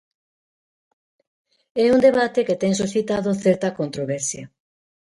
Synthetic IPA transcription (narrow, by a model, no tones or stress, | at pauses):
ɛund̪eβat̪eket̪ɛŋs̬usθit̪aðʊθɛɾt̪ɐkont̪ɾoβɛɾsjɐ